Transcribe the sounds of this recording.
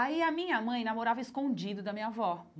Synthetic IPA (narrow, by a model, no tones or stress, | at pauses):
aiɐmĩɲɐmɐ̃j̃namoɾavɐeskõd͡ʒid̪ʊd̪ɐmĩɲɐvɔ